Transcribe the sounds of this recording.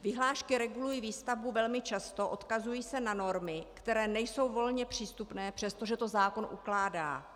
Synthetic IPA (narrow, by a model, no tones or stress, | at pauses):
vɪɦlaːʃkɪɾɛɡulujiːviːst̪avbuvɛlmɪt͡ʃast̪o̞ʔo̞t̪kazujiːsɛnano̞ɾmɪkt̪ɛɾɛːnɛjso̞wvo̞lɲɛpr̝̥iːst̪upnɛːpr̥ɛst̪o̞ʒɛt̪o̞zaːko̞nʔuklaːda̰ː